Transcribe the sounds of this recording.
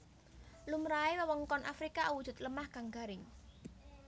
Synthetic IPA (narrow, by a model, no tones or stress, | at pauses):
lumɾaewəwəŋkɔnʔafɾikawud̥ʊ̤t̪̚ləmahɡ̥aŋɡa̤ɾɪŋ